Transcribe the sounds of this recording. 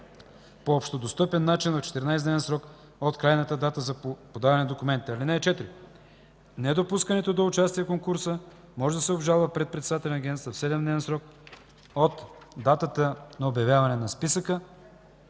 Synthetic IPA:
poopʃt̪od̪ost̪ɤpɛnːat͡ʃinvɐft͡ʃɛ̥t̪ɛɾnajsd̪nɛvɛnsɾɔk | ot̪kɾajnət̪əd̪at̪əzɐpod̪avɐnɛnɐd̪okʊmɛnt̪it̪ɛɐlinɛːt͡ʃɛt̪ɾi | nɛd̪opuskənɛt̪od̪oʊt͡ʃast̪iɛkoŋkuɾsə | mɔʒɛd̪ɐsɛobʒalˠvəpɾɛt̪̚pɾɛt̪sɛd̪at̪ɛlɛnɐɡʲɛnt̪st̪əfsɛd̪ɛmd̪nɛvɛnsɾɔk̚ | ot̪d̪at̪ət̪ənɐobjɐvjavɐnɛnɐspisəkə

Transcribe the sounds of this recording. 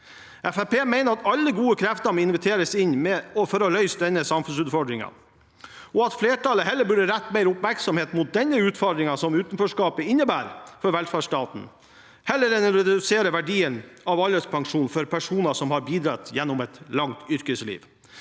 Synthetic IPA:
ɛfæpeːmeɪnəɾɑt̪ɑlːəɡuːəkʰɾæft̪əɾmɔɪnʋət̪ʰeːɾəsɪnmɛɔfɔɾɔlœʏsd̪ɛnːəsɑmfʉnsʉːt̪fɔɖɾɪŋɑ̰ | ɔɑt̪fleːʈɑləɦɛlːəɾbʉɖəɾæt̪ːmeɪɾʊpmæɾksɔmheːt̪mʊt̪̚d̪ɛnːəʉːt̪fɔɾɖ̪ɾɪŋɑsɔmʉːt̪nføːʂkɑːpəɪnːəbæːɾfɔɾʋɛlfæːʂtɑːt̪n̩ | hɛlːəɾɛnəɾɛd̪ʉseːɾəʋæɖiːənɑʋɑləspʰɑŋʂuːnfɔɾpʰæʂuːnɑsɔmhɑɾbiːd̪ɾɑt̪jɛnːɔmɛt̪lɑŋt̪ʏɾkəslḭːʋ

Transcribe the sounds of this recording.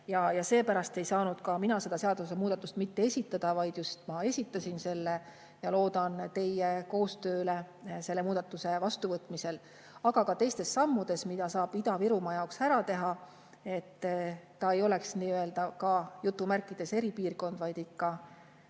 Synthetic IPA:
jɑjɑse̞ːpæɾɑst̪e̞jsɑːnud̪̥̚kɑminɑse̞d̪ɑse̞ɑd̪̥use̞muːd̪̥ɑt̪ːˑust̪mit̪ːe̞esʲit̪ːˑɑd̪̥ɑvɑjd̪̥just̪mɑe̞sʲit̪ːˑɑsʲinse̞lːe̞ | jɑlo̞ːd̪̥ɑnt̪e̞jeko̞ːst̪ø̞ːle̞ | se̞lːemuːd̪̥ɑt̪ːˑuse̞vɑst̪uvɤt̪ːˑmise̞l | ɑɡ̥ɑkɑt̪e̞jst̪e̞sːɑmːud̪̥e̞smid̪̥ɑsɑːb̥id̪̥ɑviɾumɑjɑoksæɾɑt̪e̞ɦɑ | e̞t̪ː | ɑe̞jo̞le̞ksniːøeld̪̥ɑkɑjut̪ːˑumærkːˑid̪̥e̞se̞ɾipiːrko̞nd̪vɑjd̪̥ikːɑ

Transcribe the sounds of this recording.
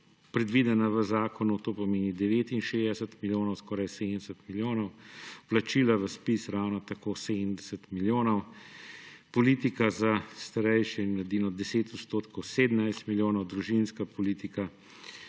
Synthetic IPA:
pɾɛd̪ʋid̪ɛnaʋəzaːkɔnut̪oːpɔmeːnid̪ɛʋeːt̪inʃeːzd̪ɛsət̪miljoːnɔwskɔːɾajseːd̪nd̪ɛsət̪miljoːnɔwplat͡ʃilaʋəspisɾawnat̪akoseːd̪md̪ɛsət̪miljoːnɔw | pɔliːt̪ikazast̪aɾɛjʃɛinlad̪iːnɔd̪ɛseːt̪ɔt̪st̪oːt̪kɔwsed̪ənajst̪miljoːnɔwd̪ɾuʒinskapɔlit̪ika

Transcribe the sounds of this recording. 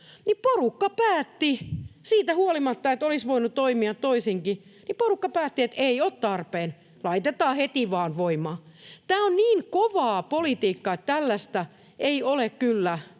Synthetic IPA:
niporukːɑpæːt̪ːisiːt̪æhuolimɑt̪ːɑet̪olisʋoinutt̪oimiɑt̪t̪oisiŋkiniporukːɑpæːt̪ːiet̪eioːt̪t̪ɑrpeːn | lɑit̪et̪ɑːhet̪iʋɑːnʋoimɑ | t̪æːonniːŋkoʋɑːpolit̪iːkːɑet̪t̪ælːæst̪æ | eiolekkylːæ

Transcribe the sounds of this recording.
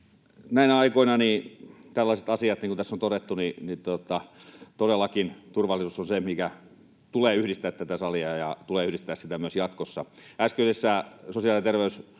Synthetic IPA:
næinæɑikoinɑnit̪ælːæˑiset̪ɑsiɑt̪niŋkunt̪æsːont̪oɾet̪ːuninit̪ot̪ɑt̪odelːˑɑkint̪urʋɑlːˑisusonsemikæ | t̪uleːyhɾist̪æːt̪t̪æt̪æsɑliɑjɑt̪uleːyhdist̪æːssit̪æmyøsjɑt̪kosːɑæskøysesːæsosiɑliet̪erʋeys

